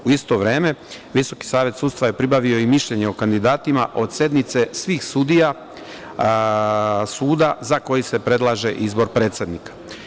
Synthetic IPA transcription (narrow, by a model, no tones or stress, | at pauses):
uist̪o̞ʋɾe̞ːme̞ | ʋiso̞ki̥saːʋje̞t̪sud̪st̪ʋaje̞pɾibaʋio̞imiʃʎe̞ɲeokand̪id̪aːt̪imaʔo̞d̪sje̞d̪nit̪se̞sʋiːxsud̪ija | suːd̪azako̞jise̞pɾe̞d̪laːʒe̞ʔizbo̞ɾpɾe̞ːt̪sʲe̞d̪nikḁ